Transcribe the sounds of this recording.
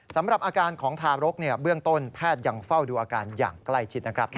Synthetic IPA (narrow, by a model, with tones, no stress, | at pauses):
sa˩˦mɾa˨˩p̚ʔaː˧kaː˧nkʰɔː˩˦ŋt̪ʰaː˧ɾo˦˥k̚ni˥˩ɐbɯ˥˩əŋt̪o˥˩npʰɛː˥˩t̪̚ja˧ŋfa˥˩wduː˧ʔaː˧kaː˧nja̰ː˨˩ŋkla˥˩jt͡ɕʰi˦˥na˦˥kʰɾa˦˥p̚